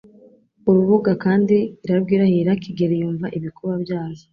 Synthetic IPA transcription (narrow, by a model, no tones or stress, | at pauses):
uɾuβuɡakaːndiːɾabɡiːɾahiɾakiɡeɾejuːɱvaʔiβikuβabjaːzi